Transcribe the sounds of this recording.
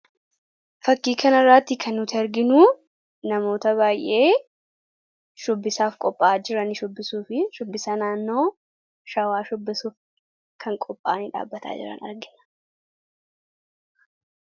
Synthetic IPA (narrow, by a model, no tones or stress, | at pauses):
fɐkːiːkɐnɐrːaːt̪ːɪkʰɐnːʊt̪ɪɐɾɡɪnuː | nɐmo̞ːt̪ɐβaːjʔe̞ː | ʃʊbːɪsaːfkʼɔpʼːaːd͡ʒɪɾɐnɪʃʊbːɪsuːfɪʃʊbːɪsɐnaːnːo̞ː | ʃɐwaːʃʊbːɪsuːf | kʰɐŋkʼɔpʼːaːniᶑa̰ːbːɐt̪ʰa̰ːd͡ʒɪ̰ɾɐ̰nɐ̰ɾɡɪnɐ̥